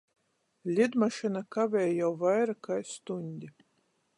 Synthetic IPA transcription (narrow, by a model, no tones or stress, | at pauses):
lʲid̪maʃinakavʲɛːjjawvajɾakajst̪unʲd̪ʲi